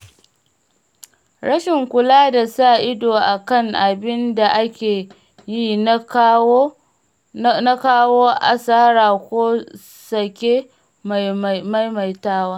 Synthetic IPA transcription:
ɽɐ˦ʃɪ˨ŋkʷʊ˨laː˦da˨saː˦˨ʔɪ˦doː˨ʔa˨kɐ˦ŋʔa˨bɪ˦nda˨ʔa˦kʲeː˨ | ji˦n˦ | na˦kaː˦woː˦ʔa˨saː˦ɾaː˨kʷoː˦ | sɐ˨kʲeː˦˨ | ma˦jma˨jtaː˦waː˦

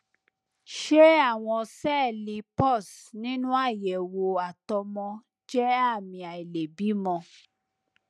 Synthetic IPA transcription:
ʃe˦a˦˨w̃ɔ̃˧sɛ˦˨li˧pɔ˦˨snĩ˦nũ˦a˦˨jɛ˨wo˧a˨tɔ˧mɔ̃˧ | d͡ʒɛ˦a˦˨mĩ˧a˨i˨le˨bi˨˦mɔ̃˧

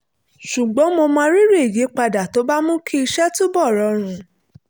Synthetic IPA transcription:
ʃu˨ɡ͡bɔ̃˨˦mo˧mãː˧˦ɾi˦ɾe˦˨je˨˦k͡pa˧da˨to˨˦ba˦mũ˦kʰi˦i˧ʃɛ˦tu˦bɔ˦˨ɾɔ˨˧˦ɾ̃ũ˧

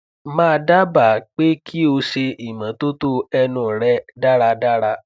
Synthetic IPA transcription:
mãː˦˧da˦ba˦˨˦k͡pe˦kʰi˦o˧ʃe˧i˨mã˨˦to˦to˦ɛ˧nũ˨ɾɛ˦da˦ɾa˧da˦ɾa˧

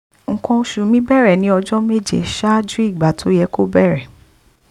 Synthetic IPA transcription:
ŋ̩˨kɔ̃˧ʃu˨mĩ˦bɛ˦˨ɾɛ˨nĩ˨˦ɔ˧d͡ʒɔ˦me˦˨d͡ʒḛ˨ʃa˦d͡ʒi˦i˦˨ɡ͡ba˨tʰo˨˦jɛ˧˦ko˦bɛ˦˨ɾɛ˨

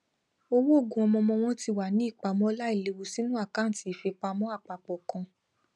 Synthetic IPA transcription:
o˧wo˦o˦˨ɡũ˨˦ɔ˧mɔ̃˧mɔ̃˧w̃ɔ̃˦ti˧wa˨nĩ˦i˦˨k͡pa˨˧mɔ̃˦la˦i˦˨le˧˦wu˧si˦nũ˦a˦˨ka˨˦˨ti˨˦˨fe˧k͡pa˧mɔ̃˦a˦˨k͡pa˨k͡pɔ˨kã˧

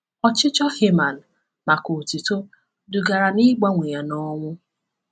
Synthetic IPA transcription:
ɔ˨t͡ʃɪ˦t͡ʃɔ˦he˦ma˨n̩˨ | ma˨ko˨ti˨to˦ | dʊ˨ɡa˨ɾa˨ni˦ɡ͡ba˦ŋʷe˨ja˨nɔ˦ŋʷʊ˦

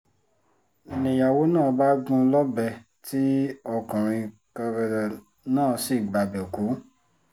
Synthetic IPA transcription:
nĩ˧˨ja˨wo˨˦nãː˦˨ba˦ɡũ˧lɔ˦bɛ˧˨ | ti˦ɔ˧kã˨ɾ̃ĩ˧ | kɔ˧ɾɛ˧ɾa˨ | nãː˦˨˦si˨ɡ͡ba˨bɛ˨ku˨˦

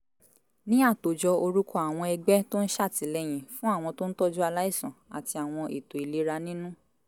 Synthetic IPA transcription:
nĩ˦a˦˨to˨d͡ʒɔ˧o˧ɾu˦kʰɔ˦˨a˨w̃ɔ̃˧ɛ˧ɡ͡bɛ˦to˦n̩˦ʃa˦˨ti˨˦lɛ˦j̃ĩ˨fũ˦a˦˨w̃ɔ̃˧to˦n̩˦tɔ˦d͡ʒu˦a˧la˦i˦˨sã˨a̰˨ti˧a˨w̃ɔ̃˧ʔi˨to˨i˨le˨˦ɾa˧nĩ˦nũ˦

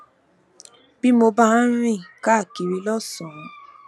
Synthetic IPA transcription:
b̥i˦mo˧ba˦ã˦ɾ̃ĩ˦˨ka˦˨ki˨ɾi˧lɔ˦˨sɔ̃˨˧

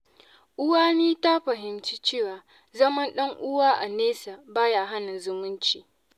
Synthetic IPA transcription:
ʔʊ˦waː˦niː˦ta˦ɸɐ˨ɦɪ˨mt͡ʃi˦t͡ʃeː˦˨waː˨ | zɐ˦mɐ˦nɗɐ˦ŋʔʊ˦waː˦ʔa˨neː˦sa˨baː˦jaː˨ɦa˦na˨zʊ˦mʊ˦nt͡ʃiː˨

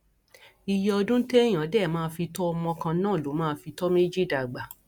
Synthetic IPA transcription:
i˧jɛ˧ɔ˧dũ˦te˦j̃ã˨˦dɛ˦˨mãː˦˧fi˧tɔ˦ɔ˧mɔ̃˧kã˧nãː˦˨lo˨˦mãː˦˧˦fi˧tɔ˦mĩ˦d͡ʒi˦da˨ɡ͡ba˨

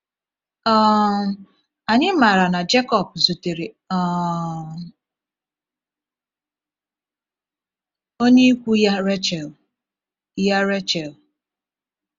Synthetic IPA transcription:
ɔ˦˨ | a˨ɲɪ˦ma˨ɾa˨na˨d͡ʒe˦kɔ˨p̚zu˨te˨ɾe˨˦ | o˦ɲe˦kʷu˦ja˦ɾe˦t͡ʃɛ˨l | ja˦ɾe˦t͡ʃɛ˨l

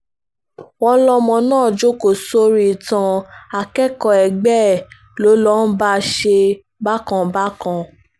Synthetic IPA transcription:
wɔ̃˧˦lɔ˧mɔ̃˧nãː˦˨d͡ʒo˦ko˨so˦ɾi˦˨tã˧a˨kɛ˦kɔ˧˨ɛ˨ɡ͡bɛ˦˨ | lo˨˦lɔ˦n̩˦ba˦ʃe˧ | ba˦kã˧ba˦kã˧

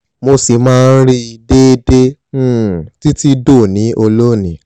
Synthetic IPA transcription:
mo˧si˨mãː˦˧n̩˦ɾi˦i˧de˦de˦ | ti˦ti˦do˦˨nĩ˨˦ʔo˧lo˦˨nĩ˨

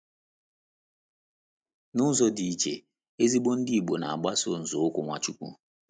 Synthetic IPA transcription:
nʊ˦zɔ˦di˨i˨t͡ʃḛ˨ | e˦zi˦ɡ͡bo˦n̩˦dɪ˦i˨ɡ͡bo˨na̰˨a̰˨ɡ͡ba˦so˦n̩˨zo˨˦ʊ˦kʷʊ˨ŋʷa˨t͡ʃu˦kʷṵ˦

